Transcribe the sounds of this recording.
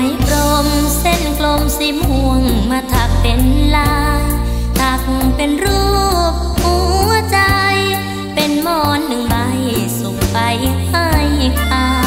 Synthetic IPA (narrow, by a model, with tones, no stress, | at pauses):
a˧˦jkɾo˧mse˧˥˩nklo˧msi˧˦˥mhu˧əŋmaː˧t̪ʰa˨˩k̚pe˨˩nlaː˧˦jt̪ʰaː˧˩kŋpe˧nɾuː˥˩p̚huː˧˦t͡ɕa˧j | pe˧nmɔː˧˩nːɯ˨˩ŋbaː˧jsu˨˩k̚pa˨˧jha˥˩jkaː˧